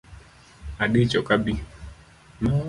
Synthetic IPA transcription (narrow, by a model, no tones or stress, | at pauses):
aɗit͡ʃɔkabi | na